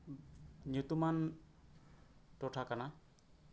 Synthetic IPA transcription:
njut̪uman | tɔtʰakana

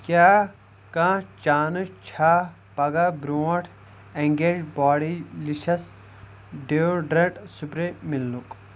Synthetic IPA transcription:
kjaː | kãːt͡ʃaːnɨt͡ʃʰaː | pɐɡabɾuːɐʈʰ | eŋɡeːd͡ʒbaːɽilit͡ʃʰɐs | ɖeoɖɾeʈsupɾemilːuk

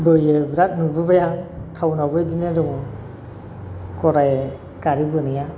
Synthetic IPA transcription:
bɯjɯbɾat̚nubɯbajatʰawnawbɯjd͡ʒinedɔŋɯ | kɔɾaj | kaɾibɯnija

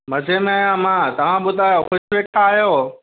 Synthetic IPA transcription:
mɐd͡ʑʱemẽaːjãmãːt̪ɐʋ̤ãɓʊd̪ʱaːjoxʊʃʋeːk̚t̪ʰaːɦijoː

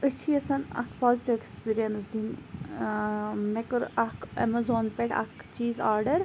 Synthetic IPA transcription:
ət͡ʃʰiɐsɐnɐ̰kʰpʰaːziʈiʋekspiːɾijɐnsd̪in | mekɨɾɐkɐ̰mɐzoːnpeʈɐ̰kt͡ʃiːzaːɾɖɐɾ

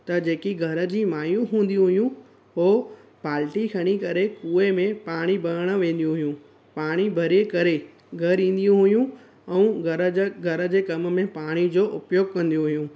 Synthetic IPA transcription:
t̪ɐd͡ʑeːkiɡʱɐɾəd͡ʑiːmaːjũɦũːn̆d̪ijũɦʊjũ | ɦoː | paːlʈikʰɐɽ̃ikɐɾekuːemẽpaːɽ̃ibʱɐɾəɽ̃ə̆ʋẽːn̆d̪ijũɦʊjũ | paːɽ̃ibʱɐɾiekɐɾe | ɡʱɐɾĩːn̆d̪ijũɦʊijũ | ɛ̃ũɡɾɡʱɐɾə̆d͡ʑeːkɐmmẽpaːɽ̃id͡ʑoːʔʊpjoːɡ̚kɐ̃nd̪ijũɦʊjũ

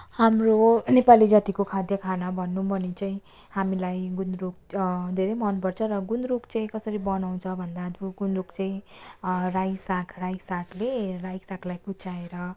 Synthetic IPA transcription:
hamronepalid͡zat̪ikokʰad̪jʌkʰanabʱʌnːubʱʌnit͡saĩ | hamilajɡund̪ɾuk̚d̪ʱeɾejmʌnpʌrt͡sʰʌɾʌɡund̪ɾukt͡saĩkʌsʌɾibʌnaw̃t͡sʰʌbʱʌnd̪ad̪buɡunrukt͡saĩ | rajsakʰrajsakʰlerajsakʰlajput͡saeɾʌ

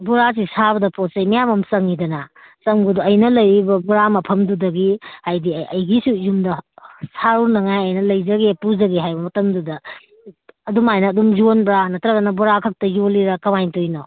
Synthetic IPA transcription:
buɾas̬isabɐdɐposejmijamɐmsɐŋidɐnɐ | sɐŋɡuduɐjnɐlɐjɾibɐbuɾamɐpʰɐmdudɐɡihajdiɐ̰jɡisujumdɐsaɾunɐŋajɐjnɐlɐjzɐɡepuzɐɡeɦajbɐmɐtɐmdudɐː | dumajnɐːdumzonbɾanɐtʰɾɐɡɐnɐbuɾakʰɐk̚tɐjoliɾɐkɐmajntojnɔ

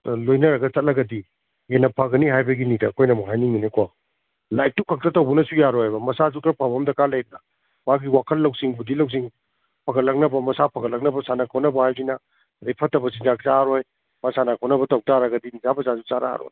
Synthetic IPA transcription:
lojnɐɾɐɡɐt͡ʃɐt̚lɐɡɐdi | enɐpʰaɡɐniɦajbɐɡinidɐːkʰojnɐmuɦajniŋminekwa | lajk̚tukʰɐk̚tɐtɐwbunɐsujaɾɔhajbɐmɐsazukɾɐpʰabɐmdɐkalɐjɾnɐ | maɡiwakʰɐlːɐwsiŋbudilɐws̬iŋ | pʰɐkɐtlɐk̚nɐbɐmɐsapʰɐkʰɐtlɐk̚nɐbɐsanakʰɔwnɐbɐhajinɐ | ɐdɐjpʰɐtːɐbɐsind͡ʒaksaɾoj | masanakʰɔwnɐbɐtɐwtaɾɐɡɐdinizabɐzazut͡ʃaɾa̰ɾo̰j

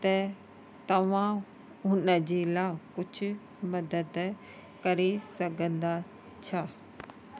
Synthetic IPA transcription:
t̪ɐ | t̪ɐʋ̤ã | ʊnəd͡ʑeːlaːkʊd͡ʑʰʱʊ | mɐd̪əd̪ | kɐɾesɐɡʱə̃nd̪a | t͡ɕʰaː

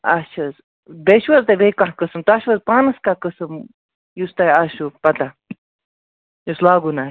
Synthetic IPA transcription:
ɐt͡ʃʰɐz | b̪eʃwɐzt̪abekakɨsɨmt̪aːʃʋɐzpaːnɐskakɨsɨm | just̪ajaʃupɐt̪a | juslaːɡunaː

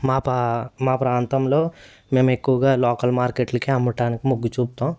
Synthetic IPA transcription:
maːpmaːpɾaːnt̪ɐmloː | me̞ːme̞kːuʋɐɡaːloːkɐlmaːɾkeʈlɐkiɐmbɐʈaːnikimuɡːut͡ʃuːp̚t̪aːm

